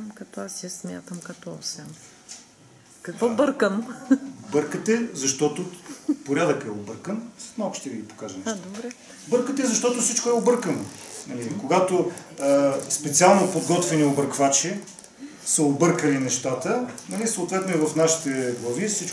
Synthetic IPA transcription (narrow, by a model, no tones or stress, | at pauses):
kɐt̪ɔasɛsmʲja̰t̪əmkɐt̪ɔsɛm | kɐkvɔbəɾkəm | bɤɾkət̪ɛzɐʃt̪ɔt̪opoɾʲad̪əkɛobɤɾkənnɐɔpʃt̪ɛd̪əɡʲipo̥kaʒɐnɛʃd̪oɾɛ | bɤɾkət̪ɛzɐʃt̪ɔt̪osit͡ʃkoɛobɤɾkənonɐlikoɡat̪o | spɛt̪sialˠnopod̪ɡɔt̪vɛniobəɾkvat͡ʃɛ | səobɤɾkəlinɛʃt̪at̪ənɐnʲisoot̪vɛt̪noɛvɐfnaʃi̥t̪ɛɡlˠɐvisit͡ʃ